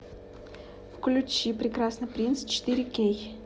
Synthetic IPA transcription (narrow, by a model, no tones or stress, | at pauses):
fklʲʊt͡ɕipɾʲɪkɾasnɨpɾʲinst͡ɕɪ̥t̪iɾʲɪkʲej